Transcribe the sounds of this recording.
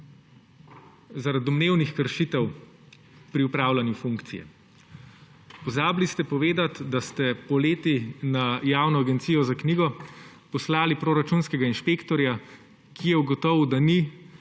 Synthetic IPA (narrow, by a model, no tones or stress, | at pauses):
zaɾad̪ɔmneːwnixkəɾʃit̪ɛw | pɾiupɾaːwlanjufuŋkt̪sijɛ̰ | pɔzaːblist̪ɛpɔʋeːd̪at̪d̪ast̪ɛpɔleːt̪inajaːwnɔaɡɛnt̪sijɔzakniːɡɔ | pɔslaːlipɾoːɾat͡ʃunskɛɡainʃpeːkt̪ɔɾja | kijɛuɡɔt̪ɔwd̪ani